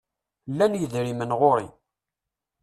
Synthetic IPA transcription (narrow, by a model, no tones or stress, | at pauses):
lːænjəðɾimənʁoɾḭ